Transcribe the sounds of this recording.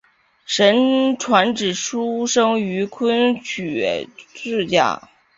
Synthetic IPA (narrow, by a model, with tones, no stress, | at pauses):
ʂə˧˥nʈ͡ʂʰwa˧˥nʈ͡ʂɻ̩˨˩ʂu˥ʂɤ˥ŋy˧˥kʰə˥nt͡ɕʰy˨˩ʈ͡ʂɻ̩˥˧t͡ɕja̰˥˩